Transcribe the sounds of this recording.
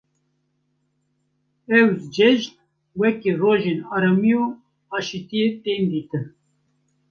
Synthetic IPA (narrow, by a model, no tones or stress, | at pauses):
ɛwzd͡ʒɛʒt̪̚ | wɛkeroːʒenɑːɾɑmijo | ɑːʃit̪ijet̪eːnd̪iːt̪ɨn